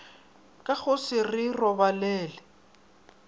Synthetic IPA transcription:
kʼaɣʊsɪrɪrɔbalɛːlɛ

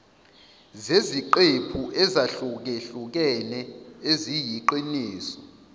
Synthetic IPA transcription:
zeziǃepʰuʔɛzaɬuk̬eɬuk̬ɛnɛezijiǃwiniːsɔ̥

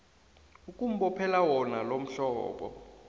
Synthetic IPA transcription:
ukʼum̩ɓɔpʰɛlawɔnalom̩ɬɔːɓɔ̰

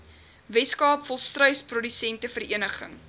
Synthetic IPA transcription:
vɛtskɑːpfɔlˠstrœɥsprɔdysɛntəfəriənəχə̰ŋ

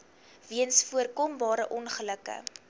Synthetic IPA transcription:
viənsfuərkɔmbɑːɾəʔɔnχələkə̰

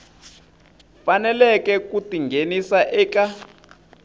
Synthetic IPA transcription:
fanɛlɛkɛkutiŋɡʱenisaʔɛːka

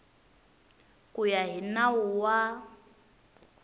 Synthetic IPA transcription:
kʼujaɦinauwa

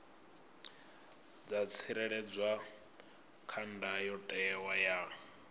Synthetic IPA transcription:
d͡zat͡sʰiɾɛɺɛd͡zwa | kʰandajɔtʼɛwaja

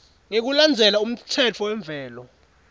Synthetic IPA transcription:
ŋek̬uland͡zʱɛlaum̩tʰɛt͡fʰɔwɛɱb̪vʱɛːlɔ

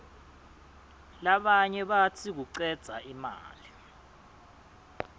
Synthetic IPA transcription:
laɓaɲɛɓatʰik̬uǀɛd̥z̥ʱaʔima̰ːli

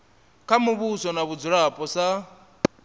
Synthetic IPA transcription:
kʰamuβusɔnaβud͡zuɺapʼɔsa

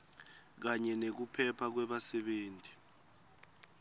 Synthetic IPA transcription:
k̬aɲɛnek̬upʰɛpʰak̬wɛɓasɛɓeːntʰʼi̥

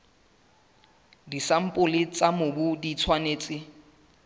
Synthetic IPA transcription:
disam̩pʼʊlɪt͡sʼamʊbʊdit͡sʰwaneːt͡sʼɪ

